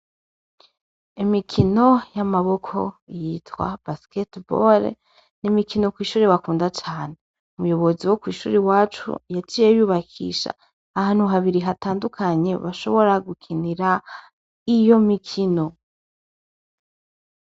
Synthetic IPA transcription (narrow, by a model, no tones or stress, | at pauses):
imikʰino̞jamaβo̞kʰo̞̰jitwa̰basketbo̰ɾ̰ | nimikʰino̞kwiːʃuːɾeβakuːndat͡ʃaːn̞e | umujo̞βo̞ziwokwiːʃṵːɾewaːt͡ʃṵjat͡ʃijejuːβakʰḭːʃa̰ː | haːn̥huɦaβiɾiɦataːndukʰaɲe̞βaʃo̞βo̞ɾaɡukʰiniɾa | ijo̞mikʰino̞